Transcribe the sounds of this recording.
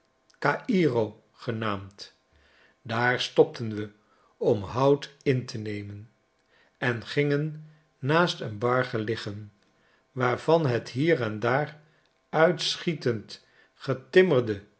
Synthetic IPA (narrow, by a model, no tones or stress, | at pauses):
kaːʔirow | χənaːmt | daːɹstɔp̚tʰənʋə | ɔmɦʌwtɪntənejmən | ɛnχɪŋənː | aːstənbɑɹχəlɪχən | ʋaːɹv̥ɑnɦətɦiːɹɛndaːr | œɥtsχitənt | χətɪməɹdə